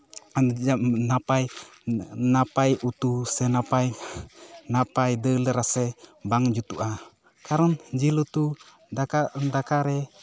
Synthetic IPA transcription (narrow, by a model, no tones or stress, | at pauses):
d͡ʒanapaj | napajut̪usɛnapaj | napajdələɾasɛbaŋd͡ʒut̪uʔa | kaɾɔnd͡ʒilut̪u | daandakaɾɛ